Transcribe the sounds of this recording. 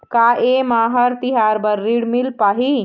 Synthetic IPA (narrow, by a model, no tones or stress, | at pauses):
kaemaɦəɾt̪iɦaɾbəɾːiɽmilpaɦi